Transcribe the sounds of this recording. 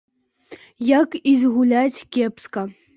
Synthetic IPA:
jakizʲɣulʲat͡sʲkʲepskɐ

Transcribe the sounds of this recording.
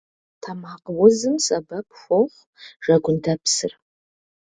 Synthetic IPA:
tʰamaqwʊzɨmsɐbɐp̚ʰxʷoχʷ | ʒ̥ɐɡʷʊndʰɐpsɨ̰r

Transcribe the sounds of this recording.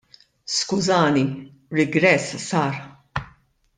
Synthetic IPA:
skʊzɐːni | ɾɪɡɾɛssɐːɾ

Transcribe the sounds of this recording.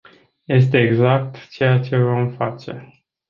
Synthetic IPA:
je̞s̬t̪e̞ːɡzak̚t̪t͡ʃe̞jat͡ʃe̞vo̞mfat͡ʃe̞

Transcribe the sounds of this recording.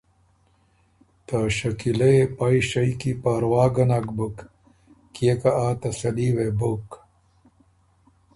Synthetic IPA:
t̪aɕɐkilɐepaiɕɐjkipaːɾwaːɡɐnakbuk | kekɐaːt̪ɐsɐliwebuk

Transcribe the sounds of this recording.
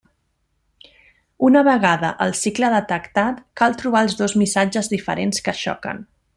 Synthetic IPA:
unəβəɣaðə̰ʔəlˠsikləðət̪əkt̪at̪kalˠt̪ɾuβaəlˠzðozmisad͡ʒəzðifəɾenskəʃɔ̰kə̰n

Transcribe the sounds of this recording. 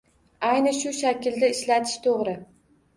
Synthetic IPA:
ajnɪʃʊʃakʲʰɪld̪aɪʃlat̪ʰɪ̥ʃt̪ʰoʁɾɪ

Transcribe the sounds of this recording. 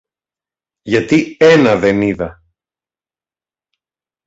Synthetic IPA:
ʝɐt̪ie̞nɐðeniðɐ

